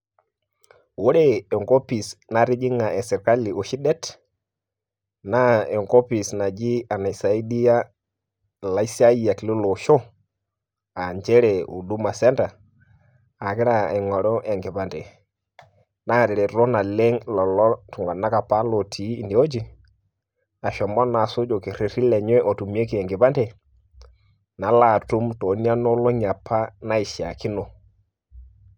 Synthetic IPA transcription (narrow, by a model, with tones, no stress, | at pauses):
wo˦ɾɛ˦˨ɛ˨ŋɡo˦pi˨sna˨˦ɾi˦d͡ʒi˦ŋa˨ʔɛ˨sɛ˨ka˦li˨o˨ʃi˦dɛ˦t | na˦ɛ˨ŋɡɔ˦pi˨sna˨d͡ʒi˦a˨na˨i˨sa˨i˦di˦a˦ | la˨i˦sa˦i˦a˨ki˨lu˦lo˨ʃo˦ | a˨ɲd͡ʒɛ˦ɾɛ˨ṵ˨du˦ma˨sɛ˦nda˨ | a˨kɪ˦ɾa˦˨ɛ˨ŋɔ˨ɾɔ˦ʔɛ˨ŋɡɛ˨pa˨ndɛ˨ | na˦˨ɾɪ˨ɾe˨ɾɔ˦na˨le˦ŋlɔ˨lɔ˦tu˨ŋɡa˨na˦ka˨pa˦lo˨tʰiː˨˦˨ndi˨o˦d͡ʒi˦ | a˨ʃɔ˨mɔ˦na˨so˦d͡ʒo˨ki˨ɾe˨ɾi˦lɛ˨ɲwɛ˦ʔɔ˨tu˨mi˦e˦ki˨ɛ˨ŋɡɪ˨pa˦nde˨ | na˨˦la˦˨tu˦mto˨˦ni˦a˦nɔ˦lɔ˦ɲa˨pʰːa˦na˦i˨ʃja̰˨ki˦no˨